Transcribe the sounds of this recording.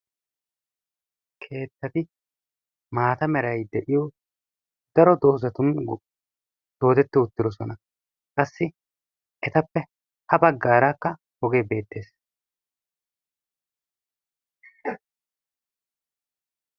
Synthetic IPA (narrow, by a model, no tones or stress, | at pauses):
kʰe̞ːt̪ːɐt̪ɪ | maːt̪ɐmɛɾɐjd̪ɛʔɪjɔ | d̪̥ɐɾɔd̪oːzɐt̪ʊn | d̪̥o̞ːd̪ɛt̪ːɪʊt̪ːɪɾɔsɔnɐ | kʼɐsːɪ | ʔɛt̪ɐpːɛ | hɐbɐɡːaːɾaːkːɐ | ɔɡe̞ːbe̞ːt̪ːe̞ːs